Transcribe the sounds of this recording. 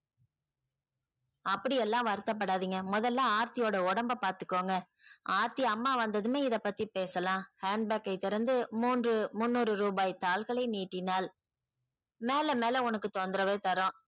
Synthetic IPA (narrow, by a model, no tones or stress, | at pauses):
ɐpːɐɽɪɛlːãːʋɐɾɯt̪ːɐp̬ːɐɽaːðiːŋɡɐmʊðɐlːaːaːɾt̪ɪjoːɽɐɔɽɐmbɐpaːɾt̪ɯ̥kːoːŋɡɐ | aːɾt̪iɐmːaːʋɐnd̪ɐðɯmeːɪðɐpːɐt̪ːipeːsɐlãːhaːɳɖ̚bɛːkːɐɪt̪ːɪɾɐnd̪ɯmuːndrɯmʊnːuːɾɯɾuːbaːjt̪aːlɣɐɭɐɪniːʈːɪnaːl | meːlɐmeːlɐʊnɐkːɯt̪ɔnd̪ɾɐʋeːt̪ɐɾõ